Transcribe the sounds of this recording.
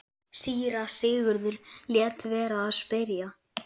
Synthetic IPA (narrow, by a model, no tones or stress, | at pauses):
siːɾasɪːɣʏɾðʏɾljɛt̪vɛːɾaːðspɪɾja